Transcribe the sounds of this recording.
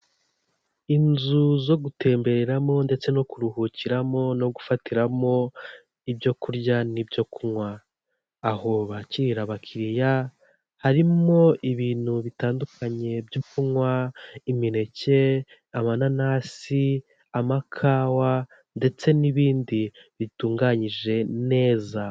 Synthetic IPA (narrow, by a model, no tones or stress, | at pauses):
inzuzo̞ɡute̞ːmbe̞ɾeɾamo̞nde̞t͡se̞no̞kuɾuɦuciɾamo̞no̞ɡufatiɾamo̞ | ibjo̞kuɾɟanibjo̞kunwaː | ho̞βaciɾiɾaβakʰiɾija | haɾimo̞iβiːn̥huβitaːndukʰaɲe̞bjo̞kumŋwaimiɾe̞ce̞ | amananaːsi | amakʰaːwa | nde̞t͡se̞niβiːndi | βituːŋɡaɲiʒe̞ne̞ːza